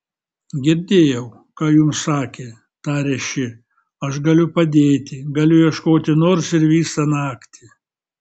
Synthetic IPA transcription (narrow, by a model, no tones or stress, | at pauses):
ɡʲɪɾʲd̪ʲeːjɛʊ | kɑːjʊmsɑːkʲeː | t̪ɑːɾʲɛʃʲɪ | ɐʃɡɐlʲʊpɐd̪ʲeːt̪ʲɪɡɐlʲʊjɛʃkoːt̪ʲɪnoːɾsɪɾʋʲiːsɐnɑːkt̪ʲɪ